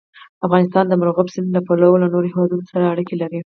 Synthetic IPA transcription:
afɣɑnɪst̪ɑnd̪əmaɾoɣabsɪnlapalawolanoɾohewɑd̪unosaɾaːɽikelaɾi

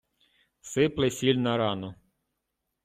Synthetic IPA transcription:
sɪplˠɪsʲilʲnɐɾɑnɔ

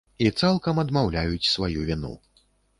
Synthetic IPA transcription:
it̪salˠkɐmɐd̪mawlʲajut͡sʲsvajuvʲinṵ

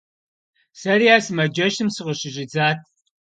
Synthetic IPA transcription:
sɐrijaːsɨmɐd͡ʒɐʃɨmsɨqəɕɪʒɪd͡zaːt̚ʰ

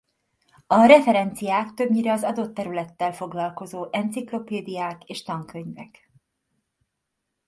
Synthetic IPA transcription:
ɒɾɛfɛɾɛnt̪sijaːkt̪ø̞bɲiɾɛɒzɒd̪o̞t̪ːɛɾylɛt̪ːɛlfo̞ɡlɒlko̞zoːʔɛnt̪siklo̞peːd̪ijaːkeːʃt̪ɒŋkøɲvɛ̰k

